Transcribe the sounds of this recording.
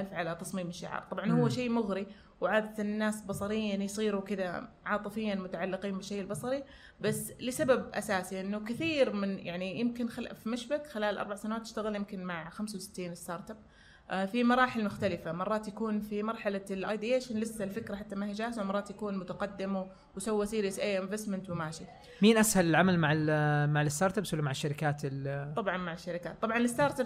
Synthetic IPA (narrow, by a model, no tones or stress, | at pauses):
lfʕalat̪ɑsˤmiːmɪʃːa̰ʕɑ̰ːɾˤt̪ˤɑbʕɑnhʊwːʃeːmʊɣɾi | wʕaːd̪at̪annːaːsbɑsˤɑɾɪjːnjsˤiːɾukɪd̪aʕɑːt̪ˤɨfɪjːanmʊt̪aʕalːɪqiːnbɪʃːejːɪlbɑsˤɑɾi | basːlɪsababʔa̰saːsiʔɪnːʊkɪθiːɾmɪnjaʕnijɪmkɪnxfimaʃbakxɪlaːlʔɑ̰ɾˤbaʕsanawaːt̪ːɪ̥ʃt̪aɣɪljɪmkɪnmaʕxamsawsɪ̥t̪ːiːnɪst̪ɑːɾˤt̪ab̚ | fimɑɾˤɑːħɪlmʊxt̪alɪfamɑrˤːɑːt̪jakuːnfimɑɾˤħalalʔajd̪ieːʃanlɪsːalfɪkɾaħat̪ːamahɪd͡ʒaːzwmɑɾˤːɑːt̪jakuːnmʊt̪aqɑd̪ːɪm | wɪsawːasiːɾjasʔajːʔɪɱvɛst̪mɪnt̪wɪmaːʃi | miːnʔashalɪlʕamalmaʕamaʕlɪst̪ɑːɾˤt̪absʊlmaʕɪʃːaɾɪkaːt̪ɪlt̪ˤɑbʕɑnmaʕɪʃːaɾɪkaːt̪ˤːɑbʕɑnlɪst̪ɑːɾˤt̪ab